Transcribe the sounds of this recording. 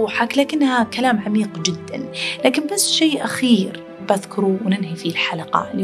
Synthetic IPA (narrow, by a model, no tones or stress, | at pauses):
ħaklaːkɪnːhakalaːmʕamiːqd͡ʒɪd̪ːa̰nlaːkɪnbasːʃeːʔaxiːɾ | baðkʊɾuwnɪnhifilħalaqɑ̰l